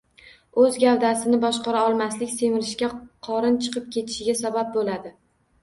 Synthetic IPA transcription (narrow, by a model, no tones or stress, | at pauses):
ɵzɡʲavd̪asɪnɪbɒʃqɑɾaɒlˠmaslɪkʲse̞mɪɾɪʃkʲaqʰɒɾɪnt͡ʃʰɨ̥qʰɨp̚kʲʰe̞t̪ʰɪ̥ʃɪɡʲasabap̚bolad̪ɪ